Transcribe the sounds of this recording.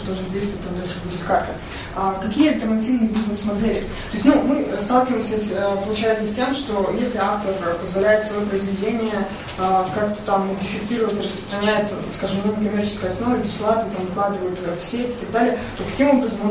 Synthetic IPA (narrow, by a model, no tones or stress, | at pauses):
d̪oʐndʲejst̪vəvət̚ʲt̪ːamd̪alʲʂɨvədʲɪlʲkart̪ə | əkɐkʲijəɐlʲt̪ərnɐtʲivnɨjəbʲiznɨsmɐd̪elʲɪ | t̪o̞ɪsʲtʲmumɨst̪alˠkʲɪvəjmsʲəəpəlˠʊt͡ɕæjɪt̪səsʲtʲe̞mʂt̪o̞jesʲlʲɪaft̪ərəpəzvɐlʲæjɪt̪svɐjopɾəɪzvʲɪdʲenʲɪjə | kakt̪ə̥t̪amːədʲɪfʲɪt̪sɨɾəvətʲrəspɾəst̪ɾɐnʲæjɪt̪ | skaʐɨmnokɐmʲert͡ɕɪ̥skəjɐsno̞vəbʲɪsplˠat̪̚nət̪amvɐklˠad̪ɨvəjɪt̪əsʲetʲɪ̥t̪ɐɡ̚d̪alʲɪjət̪o̞kɐ̥kʲimo̞bɾəzəm